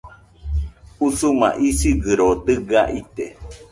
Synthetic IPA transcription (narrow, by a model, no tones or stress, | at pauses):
usumã̰ʔisiɡɨɾod̪ɨɡaʔit̪e